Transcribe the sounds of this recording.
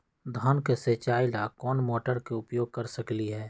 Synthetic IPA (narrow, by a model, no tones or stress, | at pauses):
d̪ʱɔːnkeseːt͡ʃaːilaːkɔːnmoːʈəɾkeʊpjoːɡ̚kɐɾsɐkliɦɛː